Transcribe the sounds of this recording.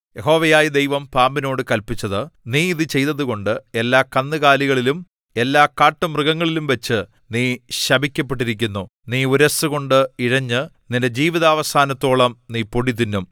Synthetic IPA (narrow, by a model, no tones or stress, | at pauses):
je̞ɦo̞ːʋɐjaːjid̪ejʋɐmpaːmbino̞ːɽɨkɐlpit͡ɕːɐðɨniːiðɨt͡ɕe̞jt̪ɐðuɣo̞ɳɖɨe̞lːaːkɐnːɨɣaːliɣɐɭilum | e̞lːaːkaːʈːɨmrɨɣɐŋːɐɭilumʋɐt͡ɕːɨ | niːɕɐbʱikʲːɐpːe̞ʈ̬ːiɾik̬ʲːunːu | niːuɾɐsɨɣo̞ɳɖɨiɻɐɲːɨ | ninded͡ʑiːʋiðɐːʋɐsaːnɐt̪ːo̞ːɭɐmniːpoɽit̪ːinːum